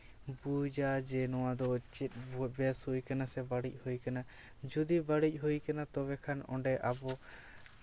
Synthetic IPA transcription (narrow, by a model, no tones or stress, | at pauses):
bud͡ʒad͡ʒɛnɔwad̪ɔt͡ʃɛt̪̚bɔbɛashujkanasɛbaɽic̚ˀhujkana | d͡ʒud̪ibaɽic̚ˀɦujkanat̪ɔβɛkʰanɔ̰̃ɳɖɛʔabɔ